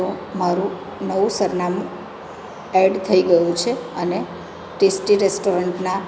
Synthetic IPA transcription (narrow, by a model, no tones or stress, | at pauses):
omaɾũ | nəʋũsəɾnamũ | ɛɖt̪ʰəiɡəjũt͡ʃʰeəne | ʈesʈiɾesʈoɾəɳʈna